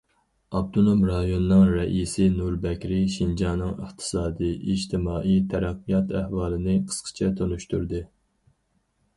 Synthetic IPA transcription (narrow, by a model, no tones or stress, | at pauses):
ɑb̚t̪ʰonomɾɑjonɨːɨŋɾɛʔisɪnuɾbɛkʲɾɪʃind͡ʒɑnɨŋə̰χt̪ʰɨ̥sɑːd̪ijʔiʒt̪ʰɪmɑːʔijt̪ʰæɾæqːijɑt̪ʰæhwɑːlˠɨnɨqʰə̥sqʰə̥t͡ʃʰɛt̪ʰonuʃt̪uɾd̪ɨ